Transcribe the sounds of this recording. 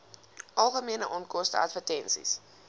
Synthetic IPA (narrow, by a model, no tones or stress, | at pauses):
ʔɐlˠχəmiənəʔɔnkɔstə̰ɐ̰tfətɛnsḭs